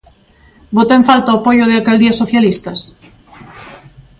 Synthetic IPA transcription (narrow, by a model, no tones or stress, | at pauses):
bot̪ẽɱfalt̪aoapoʎoðɪalkald̪iasːoθjalist̪ɐs